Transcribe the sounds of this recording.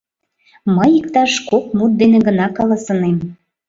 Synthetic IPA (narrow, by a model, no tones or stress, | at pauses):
məjikt̪ɑʃkok̚mut̪̚d̪enĕɣə̆nɑkɑlɑsənem